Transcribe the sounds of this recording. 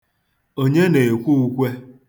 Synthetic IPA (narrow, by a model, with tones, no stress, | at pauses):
o˦ɲe˦ne˨e˨kʷu˦u˦kʷe˦